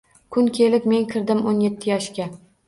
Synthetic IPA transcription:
kʰʊnkʲʰe̞lɪpme̞nkʲʰɪɾd̪ɪmonjet̪ʰːɪjɒʃkʲa

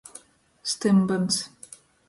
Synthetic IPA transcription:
st̪embənt͡s

